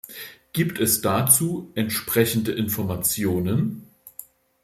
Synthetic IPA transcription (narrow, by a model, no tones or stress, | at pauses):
ɡ̥iːptʰɛsd̥at͡suːʔɛntʃpʁ̥ɛçn̩dəʔɪnfɔɐmat͡sjoːnən